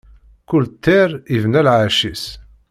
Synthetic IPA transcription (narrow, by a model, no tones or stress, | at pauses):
kʊlt̪ʰːeɾivnælʕaʃis